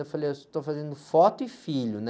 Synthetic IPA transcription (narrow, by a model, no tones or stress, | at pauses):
efalejt̪ofazẽnd̪ʊfɔt̪ʊɪfiʎʊn